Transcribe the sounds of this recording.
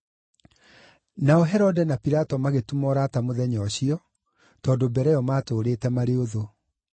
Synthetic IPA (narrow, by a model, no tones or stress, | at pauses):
naɔɦɛɾɔdɛnapiɾatɔmaɣetumɔɾaːtamoðɛɲɔɕiɔ | tɔːndobɛɾɛjɔmaːtoːɾeːtɛmaɾeoðo